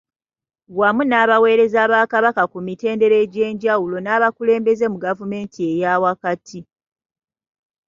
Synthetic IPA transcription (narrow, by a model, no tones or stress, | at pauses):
ɡwamunaːβawe̞ːɾe̞zaːβaːkaβakakumite̞ːnde̞ɾe̞ɟe̞ːɲɟawulo̞naːβakule̞ːmbe̞ze̞muɡavume̞ːntʰie̞jaːwakatʰi